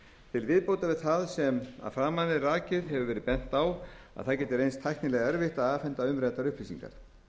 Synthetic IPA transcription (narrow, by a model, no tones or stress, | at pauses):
t̪ʰɪlvɪðpoːwt̪avɛðθaðsɛma̰ðfɾaːmanɪraːcɪðɦɛvʏvɛːɾɪpɛn̥t̪aw | a̰ðθaðcɛːt̪ɪɾejnst̪ʰajhk̪nɪlɛɣaɛɾvɪht̪aðaːfɛnt̪aʏmɾɛt̪aɾʏhplisḭŋka̰ɾ̥